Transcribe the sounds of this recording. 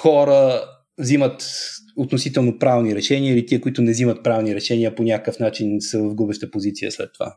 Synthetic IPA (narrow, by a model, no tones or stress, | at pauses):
xɔɾə | vzimət̪ot̪nosit̪ɛlˠnopɾavniɾɛʃɛnʲiəilit̪iəkʊit̪ʊnɛzimət̪̚pɾavniɾɛʃɛniəponʲakəkəfnat͡ʃinsəvəvɡlubɛʃt̪əpozit̪siə̰slɛ̰t̪ːova̰